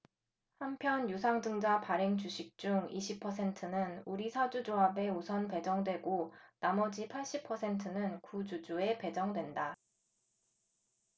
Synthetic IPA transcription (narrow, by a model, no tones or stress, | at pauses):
hampʰjʌnjusʰaŋdɯŋd͡ʑapaɾe̞ŋt͡ɕuɕʰik̚t͡ɕ͈uŋiɕʰipʰʌs̬ʰe̞ntʰɯnɯnuɾisʰad͡ʑud͡ʑoɦabe̞osʰʌnpe̞d͡ʑʌŋdwe̞ɡonamʌd͡ʑipʰaɭɕ͈ipʰʌsʰe̞ntʰɯnɯnkud͡ʑud͡ʑue̞pe̞d͡ʑʌŋdwe̞nda